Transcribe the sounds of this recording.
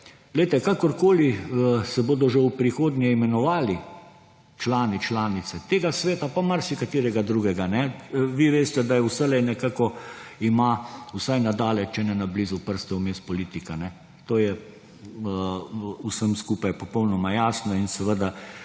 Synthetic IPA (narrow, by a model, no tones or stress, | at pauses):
ɡ̥lɛjt̪ɛkaːkɔɾkoːlisɛboːd̪ɔʒɛwpɾixoːd̪nʲɛimɛnɔʋaːli | t͡ʃlaːnit͡ʃlaːnit̪sɛt̪eːɡasʋeːt̪apamaɾsikat̪iːɾɛɡad̪ɾuːɡɛɡanɛʋiʋeːst̪ɛd̪ajɛwsɛlɛjnɛkaːkɔimausajnad̪aːlɛt͡ʃɛnɛnabliːzupəɾst̪ɛumeːst̪pɔliːt̪ikanɛ | t̪oːjɛ | usəmskuːpajpɔpɔwnɔmajaːsnɔinsɛʋəd̪a